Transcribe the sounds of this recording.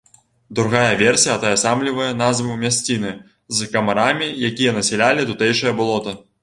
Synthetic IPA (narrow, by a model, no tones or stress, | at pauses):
d̪ɾuɣajɐvʲɛrsʲijɐt̪ɐjɐsamlʲivɐjɐnazvɨmʲasʲt͡sʲinɨ | zkɐmaɾamʲijakʲijɐnɐsʲɛlʲalʲit̪ut̪ɛjʂɐjɐbulˠɔt̪ɐ